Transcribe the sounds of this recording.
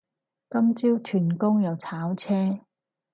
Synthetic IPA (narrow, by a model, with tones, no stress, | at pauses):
kɐ˥mt͡siː˥wt̪ʰyː˨˩nkʊ˥ŋjɐ˨˧wt͡sʰaː˨˥wt͡sʰɛː˥